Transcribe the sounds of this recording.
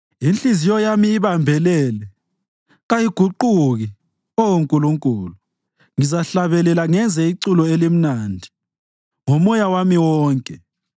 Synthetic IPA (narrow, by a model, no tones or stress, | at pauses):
int͡ɬʼizijɔjamiːβambʱɛlɛːlɛ | ɣajiɡ̥ʱuǃuɣi | ɔwoŋkʼuluŋkʼuːlu | ŋizaɬaβɛlɛlaŋɛnd͡zʱɛiǀulɔelim̩naːndʱi̥ | ŋɔmɔjawamiwɔːŋkʼɛ